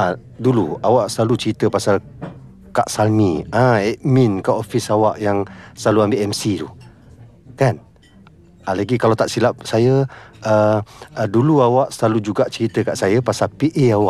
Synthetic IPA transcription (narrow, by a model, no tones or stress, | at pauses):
a | duluawaʔsəlalut͡ʃəɾit̪əpasal | kaʔsalniãɛʔminkaʔofisawaʔjaŋsəlaluambeʔɛmsitu | kan | alaɡikalawt̪aʔsilap̚sajəə | duluawaʔsəlalud͡ʒuɡaʔt͡ʃəɾit̪əkaʔsajəpasalpiʔeawaʔ